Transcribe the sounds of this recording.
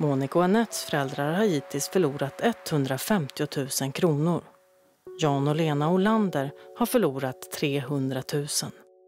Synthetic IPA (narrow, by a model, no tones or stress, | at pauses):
muːnɪkʊanɛt̪sfœɾɛld̪ɾaɾhaɾiːt̪ʰɪlst̪fœɭuːɾat̪ʰɛt̪ːhɵnd̪ɾafɛmt̪ɪʊt̪ʰʉ̟ːsənkʰɾuːnʊɾ | jɑːnʊleːnaʊland̪əɾhaɾfœɭuːɾat̪ʰːɾeːɦɵnd̪ɾat̪ʰʉ̟ːsən